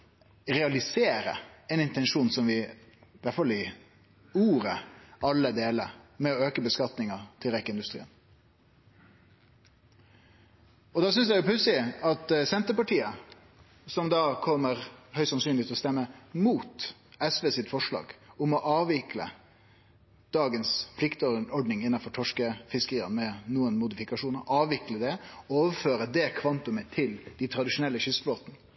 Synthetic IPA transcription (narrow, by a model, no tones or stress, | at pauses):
ɾɛɑlɪseːɾə̰ɛnɪnt̪ɛnʂuːnsɔmʋɪʋæʈfɑlɪ | uːɾəʔɑlːəd̪eːlə̰ɾmɛɔøːkəbəskɑt̪nɪŋɑt̪ʰɪlɾɛkːəɪnd̪ʉst̪ɾiːən | ɔd̪ɑːs̬ʏnsd̪æɪjʊpʰʉsɪɑt̪sɛnt̪əɾpɑʈiːə | sɔmd̪ɑːkʰɔmːəɾhœʏsɑnsyːnɪt̪ɔst̪ɛmːəmuːt̪ | ɛsʋeːsɪt̪fɔʂlɑ̰ːɡʊmɔʔɑːʋɪklə̰ | d̪̥ɑːɡənspʰlɪkt̪ɔɖnɪŋɪnːɑfɔʈʰɔʂkəfɪskəɾiːɑ̰nmɛnuːənmʊd̪ɪfɪkɑʂuːnəɾɑːʋɪkləd̪ɛoːʋəɾføːɾəd̪ɛkʰʋɑnt̪ʊmət̪ʰɪld̪̥ɪt̪ʰɾɑd̪ɪʂʊnɛlːəɕʏsbloːt̪n